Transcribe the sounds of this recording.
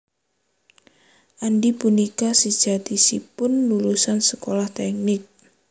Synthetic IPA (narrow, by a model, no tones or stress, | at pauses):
ʔandipunikasəd̥d͡ʒ̥at̪isipʊnːulusansəkolaht̪ɛk̚nɪk̚